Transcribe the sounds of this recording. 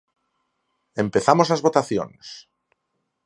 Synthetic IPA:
e̞mpe̞θamozlazβo̞t̪aθjo̰nes

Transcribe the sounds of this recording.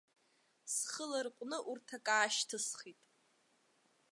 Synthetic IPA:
sχəlarqʷʼnɨʔurtʰakʼaːʃtʰɨsχitʼ

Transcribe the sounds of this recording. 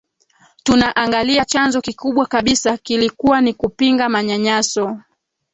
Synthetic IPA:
tunaʔaŋɡaliat͡ʃanzɔkikuɓwakaɓisakilikuwanikupiŋɡamaɲaɲasɔ

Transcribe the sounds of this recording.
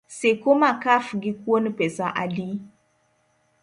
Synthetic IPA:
sekomakafɡikwonpesaʔa̰di

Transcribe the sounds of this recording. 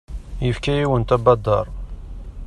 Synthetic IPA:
jəfkæjiwənt̪æbɑd̪ˤɑɾˤ

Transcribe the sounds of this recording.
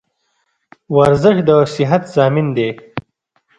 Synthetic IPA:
waɾzɪʂd̪əsɪɦat̪z̥ɑːmind̪eː

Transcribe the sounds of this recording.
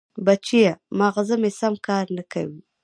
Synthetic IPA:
bat͡ʃijamɑɣazəmesamkɑːɾnaka̰wi

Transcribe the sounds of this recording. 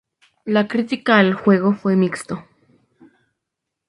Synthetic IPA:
lakɾit̪ikaelxweɣofwemikst̪o

